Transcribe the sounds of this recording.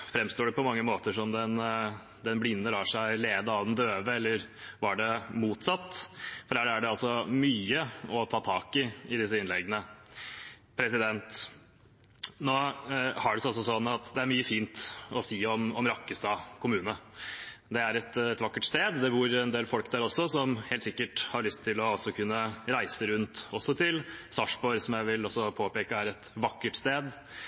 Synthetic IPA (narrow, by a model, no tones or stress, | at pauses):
fɾɛmst̪oːɖɛpɔmɑŋːəmoːt̪əʂɔmd̪ɛn | d̪ɛnblɪnːəlɑːʂæɪleːd̪əɑʋd̪ɛnd̪øːʋəɛlːəɾʋɑɖɛmuːt̪sɑt̪ːfɔɾæɾæɖɛɑlsɔmyːəɔt̪ʰɑːt̪ʰɑːkɪɪd̪ɪs̬əɪnlɛɡənə | pʰɾɛsɪd̪ɛnt̪ | noːhæɖɛsɔsɔsɔnːɑt̪d̪ɛæɾmyːəfiːnt̪ɔsiːɔmɔmɾɑkːəst̪ɑːkʰʊmʉːnə | d̪ɛæɾɛt̪ɛt̪ʋɑkːəʈst̪eːd̪d̪ɛbuːɾɛnd̪eːlfɔlkd̪æːɾɔsːɔsɔmheːlt̪sɪkːəʈhɑɾɭʏst̪ʰːɪlɔɔsːɔkʰʉnːəɾæɪsəɾʉnt̪ɔsːɔt̪ʰɪlsɑʂbɔɾsɔmjæɪʋɪlɔsːɔpʰoːpeːkəæɾɛt̪ʋɑkːəʈst̪eːd̪